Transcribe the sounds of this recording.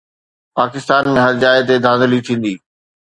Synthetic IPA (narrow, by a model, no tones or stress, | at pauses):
paːkɪst̪aːnmẽɦɐɾd͡ʑaːɪt̪̬ed̪ʱãːnd̪liʈʰĩːn̆d̪iː